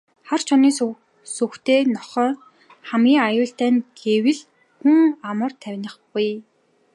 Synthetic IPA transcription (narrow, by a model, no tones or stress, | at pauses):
χart͡ɕʰɔniː | suxt̪eːnɔχœː | χamɡʲiːŋajʊːɬt̪æːnɡewɘ̆ɮ | xuŋamə̆rt̪ʰæwʲnə̆χpuj